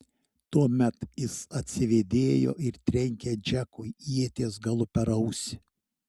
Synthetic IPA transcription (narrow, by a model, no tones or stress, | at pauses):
t̪uɔmʲɛt̪jɪsɐt̪ʲsʲɪʋʲeːd̪ʲeːjo̰ːɪɾt̪ʲɾʲɛŋʲkʲɛd͡ʒʲækʊjiɛt̪ʲeːsɡɐlˠʊpʲɛɾɐʊsʲɪ